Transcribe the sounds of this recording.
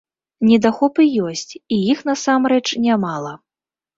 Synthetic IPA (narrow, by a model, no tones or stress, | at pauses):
nʲɛd̪axɔpɨjɔsʲt͡sʲijixnasamɾɛt͡ʂnʲamalˠɐ